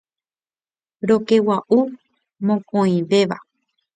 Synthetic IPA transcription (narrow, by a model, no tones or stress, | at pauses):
ɾoke̞waʔu | mõkõĩʋe̞ʋa